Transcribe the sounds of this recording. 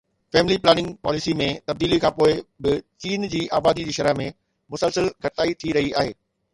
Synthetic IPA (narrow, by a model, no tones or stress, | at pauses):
fɛːmɪliplɛːnɪ̃ŋɡpa̰ːlɪsimẽt̪ɐb̚d̪iːlikʰãːpoːɪbɪt͡ɕiːnd͡ʑiːʔaːbaːd̪id͡ʑiːʃɐɾəɦmẽ | mʊsəlsəlɡʱɐʈɪt̪aːit̪ʰiɾɐɦiaːɦḛː